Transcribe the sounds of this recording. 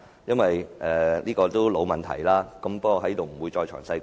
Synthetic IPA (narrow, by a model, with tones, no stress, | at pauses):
jɐ˥nwɐ˨jʔɛː˨˩liː˥kɔː˧t̪o˥wlo˨˥wmɐ˨nt̪ʰɐ̰˨˩jlaː˥kɐ˨˥mpɐ˥k̚ːɔː˧ɦɐ˨˥jt̪o˨wm̩˨˩wuː˨˧jt͡ʃɔː˧jt͡ʃʰœ̰ː˨˩ŋsɐ˧j